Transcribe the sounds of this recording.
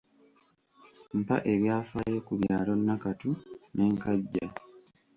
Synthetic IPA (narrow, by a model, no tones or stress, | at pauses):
mpa̰ʔe̞βjaːfaɾekuβjaːlo̞nːakatune̞ːŋkaɟːa